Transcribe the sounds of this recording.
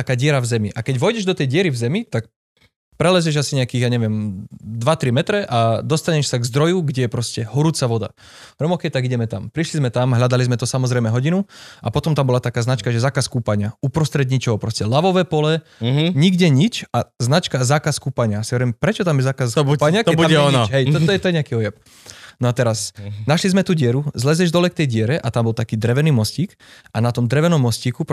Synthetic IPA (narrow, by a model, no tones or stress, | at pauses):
t̪akaːɟɪɛɾavzɛmiʔakɛɟʋɔjɟɛʒd̪ɔt̪ɛjɟɪɛɾivzɛmit̪ak̚ | pɾɛlɛzɛʒasiɲɛakiːɣjaɲɛʋɪɛmd̪ʋat̪ɾimɛt̪ɾɛʔad̪ɔst̪aɲɛʃsaɡzd̪ɾɔjuɡɟɛjɛpɾɔscɛɦɔɾuːt͡saʋɔd̪a̰ | ɾɛmɔkɛjt̪aɡiɟɛmɛt̪ampɾiʃlizmɛt̪amɦʎad̪alizmɛt̪ɔsamɔzɾɛjmɛɦɔɟinuapɔt̪ɔmt̪ambɔlat̪akaːznat͡ʃkaʒɛzaːkaskuːpaɲɪaupɾɔst̪ɾɛd̪ɲit͡ʃɔɦɔpɾɔscɛlaʋɔʋɛːpɔlɛɦɲiɡɟɛɲit͡ʃaznat͡ʃkazaːkaskuːpaɲɪasiɔɾɛjmɛpɾɛt͡ʃɔt̪amjɛzaːkaskbuupaɲɪakt̪ɛbuamɛɔnɔɦɛj̪ɔt̪ɔɛt̪ɔjɛɲɛakiɔjɛp̚ | nɔat̪ɛɾasnaʃlizmɛt̪uɟɪɛɾuzlɛzɛʒd̪ɔlɛk̚t̪ɛjɟɪɛɾɛʔat̪ambɔlt̪akiːd̪ɾɛʋɛniːmɔsciːk | anat̪ɔmd̪ɾɛʋɛnɔmːɔsciːkup